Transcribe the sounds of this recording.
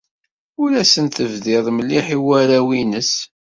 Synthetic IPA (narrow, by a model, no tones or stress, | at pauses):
ʊlæsənt̪əvðɪðˤmliħiwæɾæwinəs